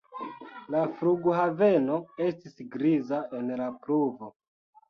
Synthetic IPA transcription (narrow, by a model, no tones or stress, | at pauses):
lafɾuɡuhave̞no̞e̞stisɡɾizae̞nlapɾuvo̞